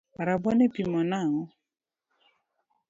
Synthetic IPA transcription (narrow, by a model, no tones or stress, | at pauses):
ɾabɔnɛpimɔnaŋɔ